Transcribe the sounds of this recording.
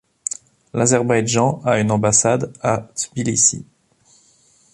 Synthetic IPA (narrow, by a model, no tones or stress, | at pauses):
lazɛʁbajʒɑ̃aynɑ̃basad̪at̪bilisḭ